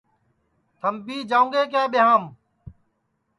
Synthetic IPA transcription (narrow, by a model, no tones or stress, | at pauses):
t̪ʰəmbiːd͡ʒaːũːŋɡeːk̬eːɓɪɦaːm